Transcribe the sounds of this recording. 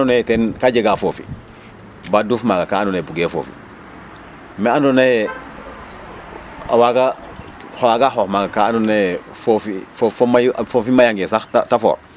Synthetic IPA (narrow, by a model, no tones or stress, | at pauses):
anonajtɛnkaɟeɡafoːfḭ | badufmaɡakaːndonebuɡeːfo̰ːfḭ | meandonaje | a̰waka | hwakaɦohmaɡakaandona | fofiffomafofimajaŋɡesaxtatafo̰ːɾ